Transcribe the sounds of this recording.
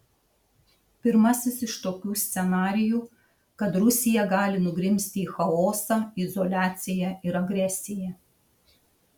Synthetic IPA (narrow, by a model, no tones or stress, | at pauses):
pʲɪɾmɐsʲɪsɪʃt̪oːkʲuːsʲt̪sʲɛnɑːɾʲɪjuː | kɐt̪ɾʊsʲɪjɛɡɑːlʲɪnʊɡɾʲɪmʲsʲt̪ʲɪiːxɐoːsɑːɪzɔlʲæːt̪sʲɪjɛɪɾɐɡɾʲɛsʲɪjæ